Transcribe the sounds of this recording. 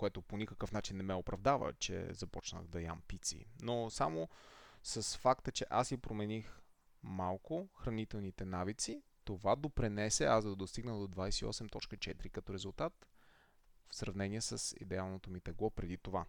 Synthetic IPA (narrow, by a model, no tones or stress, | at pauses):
koɛt̪oponʲikəkəfnat͡ʃinːɛmɛopɾɐvd̪avə̰t͡ʃɛ̰zɐpɔt͡ʃnə̰ɣd̪ɐja̰mpit̪sḭnosamosɐsfakt̪ət͡ʃɛʔasjipɾomɛnix | malˠkʊxɾɐnit̪ɛlˠnit̪ɛnavit̪sit̪ovad̪opɾinɛsɛazd̪ɐd̪ost̪iɡnəd̪od̪vajsɛiɔ̰sɛmt̪ɔt͡ʃkət͡ʃɛt̪ɾikɐt̪ɔɾɛzʊlˠt̪at̪ | fsɾɐvnɛniɛsəsḭd̪ɛalˠnot̪omit̪ɛɡlˠɔpɾɛd̪it̪ova